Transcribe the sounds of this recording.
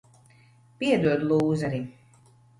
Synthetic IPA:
piɛd̪uɔd̪lˠuːzaɾi

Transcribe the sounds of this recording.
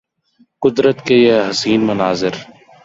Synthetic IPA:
qʊd̪ɾət̪kejeɦɐsiːnmɐnaːzɪɾ

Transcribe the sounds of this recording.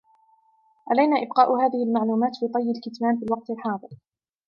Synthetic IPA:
ʕalajnaːʔɪb̚qɑːʔhaːðɪhɪlmaʕluːmaːt̪fiːt̪ˤɑjːalkɪt̪maːmfiːlwɑq̚t̪ɪlħɑːðˤɨɾ

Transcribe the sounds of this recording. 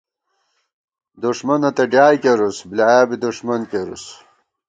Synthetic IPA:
d̪uʂmɐnɐt̪ɐɖjaːjkeɾusblajaːbid̪uʂmɐnkeɾṵs

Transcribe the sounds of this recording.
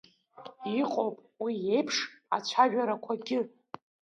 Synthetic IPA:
iqʼowpʼ | wije̞jpʰʂa̰t͡ɕʷʰaʒᶣaɾakʷʰaɡʲɪ

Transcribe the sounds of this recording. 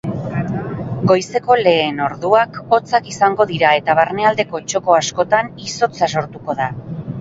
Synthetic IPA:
ɡo̞jse̞ko̞le̞ːno̞ɾðuako̞t͡sakisaŋɡo̞ðiɾae̞t̪aβaɾne̞ald̪e̞ko̞t͡ʃo̞ko̞asko̞t̪aniso̞t͡saso̞ɾt̪uko̞ða

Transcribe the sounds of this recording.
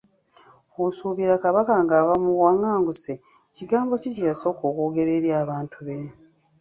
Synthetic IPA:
osuβiɾakaβakaŋɡaːβamuwaŋːaːŋɡuse | ciɡaːmbo̞cicijaso̞koːkoːɡe̞ɾe̞ːɾjaːβaːntʰuβe

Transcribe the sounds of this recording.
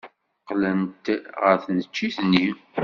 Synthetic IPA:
qlənt̪ʁəɾθnət͡ʃːiθni

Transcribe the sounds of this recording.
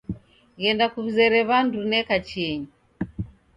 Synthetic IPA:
ɣɛndakuβuzɛɾɛβandunɛkat͡ʃɛɲi

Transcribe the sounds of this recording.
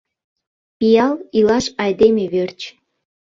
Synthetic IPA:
pijɑlilɑʃɑjd̪emeβørt͡ɕ

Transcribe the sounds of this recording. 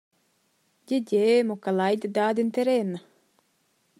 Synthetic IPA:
ɟeɟemokalajd̪id̪aːd̪int̪eɾenːa

